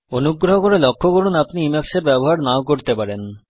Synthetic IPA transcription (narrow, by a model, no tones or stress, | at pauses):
onuɡɾoɦokoɾelɔkʰːokoɾunapniimakʃeɾbɛboɦaɾnaokoɾt̪epaɾen